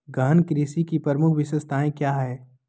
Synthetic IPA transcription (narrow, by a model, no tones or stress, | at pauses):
ɡaːnkɾiːsikipəɾmʊkʰbɪʃəst̪aːẽkjaːɦɛː